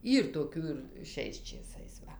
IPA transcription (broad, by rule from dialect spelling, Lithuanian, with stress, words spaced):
ˈiːr toːˈkʲuː ɪr ˈʃʲɛɪs t͡ʃʲeːˈsɐɪs ˈʋɐ